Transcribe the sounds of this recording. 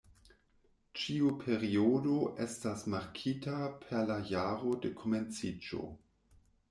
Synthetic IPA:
t͡ʃiupʰeɾiodoʔestasmaɾkʰitapʰeɾlajaɾodekʰoment͡sid͡ʒo̰

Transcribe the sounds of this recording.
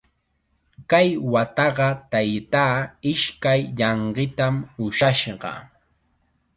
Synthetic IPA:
kajwat̪ɑɢɑt̪ajt̪aːɪʃkajʎɑɴɢɪt̪amʊʃaʃɢɑ̰

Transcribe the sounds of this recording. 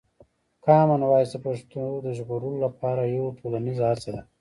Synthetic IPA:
kɑːmanwaːjsəpaʂt̪od̪əʒɣuɾulolapʰɑːɾajawʈʰolanizaɦat͡sad̪a

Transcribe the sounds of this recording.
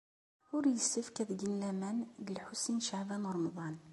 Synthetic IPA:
ʊɾjəsːəfkæðɡinlæmænɡəlħusinʃaʕbænɾˤːmðˤɑn

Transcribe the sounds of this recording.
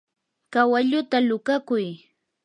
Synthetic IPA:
kawaʎʊt̪alʊkakʊj

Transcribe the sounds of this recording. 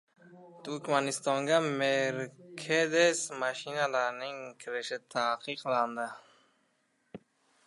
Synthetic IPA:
t̪ʰuɾkmanist̪ɑŋɡameɾkʰed̪esmaʃinalaɾnɪŋkʰɪɾəʃɪt̪ʰaːqiqland̪ə

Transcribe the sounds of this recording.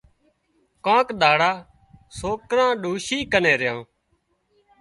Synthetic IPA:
kãːkɗ̪aːɽaː | soːkɾãːɗuːʃiːkəneːɾɪjãː

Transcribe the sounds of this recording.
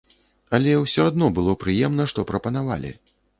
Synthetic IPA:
ɐlʲɛwsʲɔad̪nɔbɨlˠɔpɾɨjɛmn̪ɐʂt̪ɔpɾɐpɐnava̰lʲḭ

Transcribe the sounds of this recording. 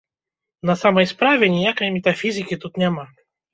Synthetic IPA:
nɐsamɐjspɾavʲɛnʲɪjakəjmʲɛt̪ɐfʲizʲɨkʲit̪ut̪nʲama

